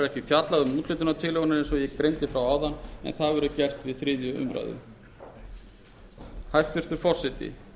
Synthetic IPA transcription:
ɾɛhcɪfjat̪laðʏmuːt̪lɪt̪ʏnat̪ʰɪlɪɣɔnɪɾɛnsɔjɛkɾejnt̪ɪfɾawaːwðanːɛ̰nθaðvɛɾʏcɛr̥t̪vɪðθɾɪːðjʏʏ̰mɾa̰jðʏ̰m | hajst̪vɪɾ̥t̪ʏɾ̥fɔr̥sɪt̪ɪ̰

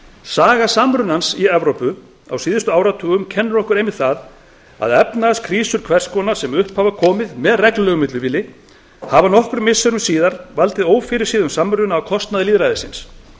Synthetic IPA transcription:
saːɣasamɾʏnansiɛvɾowpʏ | a̰wsiːðʏst̪ʏaːwɾat̪ʰuːɣʏmcʰɛnːɾɔhkʏɾejmɪðθað | a̰ðɛpnaskʰɾiːsʏɾ̥kʰvɛr̥skɔnaɾ̥sɛmʏhphavakʰɔːmɪðmɛðrɛklʏlɛɣʏmɪt̪lʏviːlːɪ | havanɔhkʏɾmɪsːœɾʏmsiːðaɾvalt̪ɪðoːwfɪɾɪɾ̥siːðʏmsamːɾʏʏnaːwkʰɔst̪naðɪliːðɾajðɪsɪns

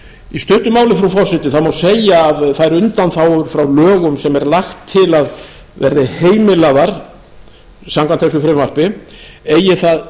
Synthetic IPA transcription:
ist̪ʏht̪ʏmaːwlɪfɾawfɔr̥sɪt̪ɪθawmawsejaːðθaðɛɾʏnt̪anθawɾfɾawlœːɣʏmsɛmɛɾlaxt̪ʰːɪlað | vɛ̰ɾðɪheːjmɪlaðaɾ̥ | samkʰanθɛs̬ʏfɾɪmvar̥pɪeːjɪθað

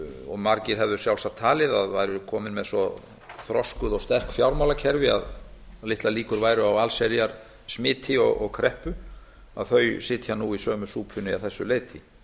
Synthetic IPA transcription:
ɔ̰ɣmaɾcɪɾ̥ɦɛvðʏ̥sjawlsat̪ʰaːlɪðaðvajɾʏkʰɔːmɪnmɛðsɔ | θɾɔskʏðɔɣst̪ɛr̥kfjawɾmawlacʰɛɾvɪa̰ð | lɪht̪laliːkʏɾvaːjɾʏawalsɛɾjaɾ̥ | smɪːt̪ʰɪɔ̰ɣɔ̰ɣkʰɾɛhpʏ | a̰ðθœɥsɪːt̪ʰjanuisœːmʏsuːpʰʏnːɪaθɛsːʏleːjt̪ʰɪ

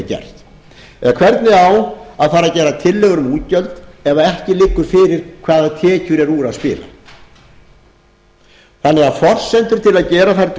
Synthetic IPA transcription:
cɛ̰ɾ̥t | ɛ̰ɣkʰvɛɾt̪nɪawaðfaːɾacɛːɾat̪ʰɪlːɛɣʏɾʏmuːt̪cœlt̪ɛvaɛhcɪlɪkːʏɾ̥fɪɾɪɾ̥kʰvaːðat̪ʰɛːcʏɾɛɾuːɾaðspɪ̰ːla̰ | θanːɛɣaðfɔr̥sɛnt̪ʏɾ̥t̪ʰɪlaðcɛːɾaθaɾt̪

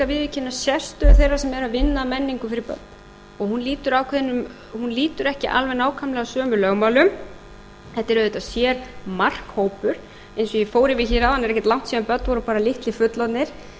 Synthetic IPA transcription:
avɪðvɪcʰɪnːasjɛst̪ʏθejɾasɛmɛɾavɪnːamɛnːiŋkʏfɪɾɪɾpœ̰t̪̚n | ɔɣhunliːt̪ʏɾawkʰɛðɪnːʏm | hunliːt̪ʏɾɛhcɪʔalvɛnaːwkʰamlɛɣawsœːmʏɪlœɣmawlʏm | θɛht̪ːɪɾœet̪asjɛːɾmar̥khoːwpʏɾ̥ | ejnsɔjɛfoːwɾɪvɪçiɾawhanɛɾɛhcɛt̪lawŋ̥t̪siːðanpœt̪nvɔɾʏpaːɾalɪht̪lɪfʏt̪lawt̪nɪɾ̥

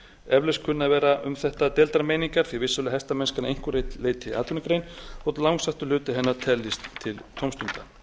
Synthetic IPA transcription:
ɛvlɛskʰʏnːavɛːɾaʔʏmθɛht̪at̪ɛːlt̪aɾmeːjniŋkaɾ̥θivɪsːœlɪɦɛst̪amɛnskaɾnaejŋ̥kʏrejt̪leːjt̪ʰɪʔa̰ːt̪ʰʏnkɾeːjnɔt̪lawŋsaht̪ʏlʏːt̪ɪɦɛnːaɾt̪ʰɛlːist̪t̪ʰːɪlt̪ʰowmst̪ʏnt̪a

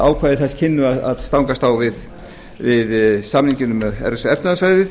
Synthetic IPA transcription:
aːwkʰvajðɪθɛscʰɪnːʏaða̰ðst̪awŋkast̪aːwvɪð | vɪðsamniɲcɪnʏmɛɛ̰ɾɛsaɛfnaðasvaːjðɪ

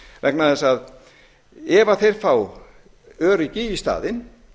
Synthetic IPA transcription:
vɛknaðθɛsað | ɛːvaθejɾ̥faw | œːɾʏcɪist̪a̰ːðɪn

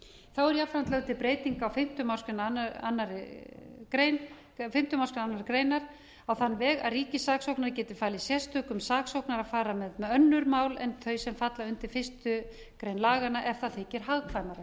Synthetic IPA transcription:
θawɛɾjafɾant̪lœwt̪ʰɪlpɾeːjt̪iŋkawfɪm̥t̪ʏmawskʏnna̰nːaɾɪkɾejn | fɪm̥t̪ʏmawskʏnanːaɾɪkɾejnaɾ̥ | awθanːvɛːɣa̰ðriːcɪsaksowknaɾcɛːt̪ɪfaːlisjɛst̪ʏːkʏmsaːksowknaɾaðfaːɾamɛðmɛðœnːʏɾmaːwlɛnt̪ʰœːɥsɛmfat̪laʏnt̪ɪɾ̥fɪst̪ʏ | kɾejnlaːɣanaʔɛfθaðθɪcɪɾ̥ɦaɣkʰvajnaɾa

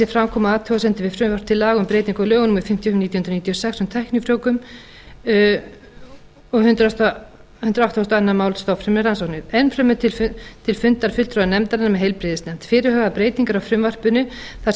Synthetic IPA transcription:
sɪfɾamkʰɔːmaaːt̪ʰuɣasɛnt̪ɪvɪðfɾʏmvar̥pt̪ʰɪlːaːɣʏmpɾeːjt̪iŋkalœːɣʏnʏmɪfɪm̥t̪jɔhmniːt̪jhʏnɾʏnit̪ʰjɔsɛksʏnt̪ʰɛhknʏfɾjowkʏm | ɔɣɦʏnt̪ɾast̪ | hʏnt̪ɾaawt̪ɔhɔst̪ɔanːamaːwlst̪ɔfɾʏmnɪɾransɔwknɪɾɛnːfɾœmʏt̪ʰɪt̪ʰɪlfʏnt̪aɾ̥fʏl̥t̪ɾɔːðnɛmt̪aɾɪnːamɛðɦejlpɾɪðɪstnɛm̥t̪fɪːɾɪɦœːɣðapɾeːjt̪iŋkaɾawfɾʏmvar̥pʏnʏθa

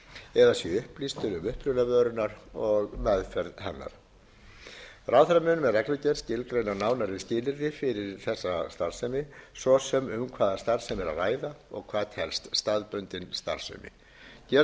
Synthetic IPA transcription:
ɛðasjɛʏhplist̪ʰɪlʏmʏhpɾʏnavœːɾʏnaɾɔɣmɛðfɛɾðhɛnːa̰ɾ̥ | rawθɾamʏnʏmɛðrɛklacɛɾscɪlkɾœɥnaɾnaːwnaɾvɪðscɪːlɪɾðɪfɪɾɪɾθɛsːast̪aɾ̥sœmɪsɔsɛmʏmkʰvaːðast̪aɾ̥sɛmɛɾa̰ðraːjðaɔ̰ɣkʰv̥aːðt̪hɛlst̪st̪aðpʏnt̪ɪnst̪a̰ɾ̥sœ̰jmɪ̰ | cɛ

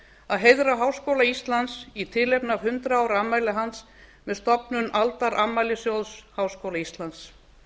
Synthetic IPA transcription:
aðɦejðɾaɦawskowlaist̪lant̪sit̪ʰɪlejpnavhʏnt̪ɾaaːwɾamajlɪɦans | mɛðst̪ɔpnʏnalt̪aɾʔamajlɪsjowlshaːwskoːwlaist̪lant̪s

